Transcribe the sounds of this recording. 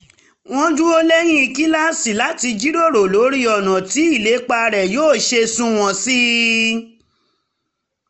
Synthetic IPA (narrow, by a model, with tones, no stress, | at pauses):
w̃ɔ̃˦d͡ʒũ˦o˦lɛ˦j̃ĩ˦i˧ki˦la˦si˨la˨˦ti˧d͡ʒi˦ɾo˦˨ɾo˨lo˨˦ɾi˦ɔ˨nã˨ti˨˦i˦˨le˨˦k͡pa˧ɾɛ˨joː˦˨ʃe˧sũ˦w̃ɔ̃˧si˦